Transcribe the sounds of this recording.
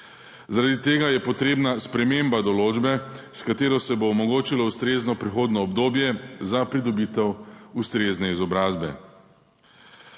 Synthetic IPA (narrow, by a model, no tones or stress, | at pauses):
zaɾad̪it̪eːɡajɛpɔt̪ɾeːbnaspɾɛmembad̪ɔloːd͡ʒbɛskat̪eːɾɔsɛboːmɔɡoːt͡ʃilɔust̪ɾeːznɔpɾixoːd̪nɔːbd̪oːbjɛzapɾid̪ɔbiːt̪ɛwust̪ɾeːznɛizɔbɾaːzbɛ̰